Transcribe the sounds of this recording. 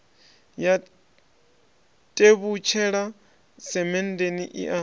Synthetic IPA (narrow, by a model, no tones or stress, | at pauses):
ja | tʼeβut͡ʃʰɛɺa | sɛmɛn̩deniʔḭʔa